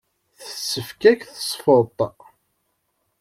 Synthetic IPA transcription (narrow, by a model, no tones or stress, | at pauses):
θə̥sːəfkækθə̥sˤfəɾt̪ˤ